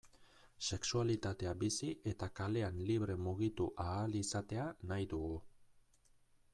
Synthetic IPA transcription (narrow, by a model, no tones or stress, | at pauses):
se̞ksualit̪at̪e̞abisiʔe̞t̪akale̞anliβ̞ɾe̞muɣ̞it̪uʔaːlisat̪e̞anajðuɣu